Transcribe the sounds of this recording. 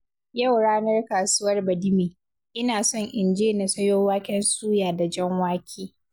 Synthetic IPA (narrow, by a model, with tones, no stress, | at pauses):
ja˦˨wɽaː˦nɐ˦rkaː˨sʊ˦wɐ˦rbɐ˨dɪ˦miː˨ | ʔɪ˦naː˨sɔ˦ŋʔɪ˨nd͡ʒeː˦na˨sɐ˦joː˦waː˦kʲɛ˦nsuː˦jaː˨da˨d͡ʒɛ˦ŋwaː˦kʲʰiː˦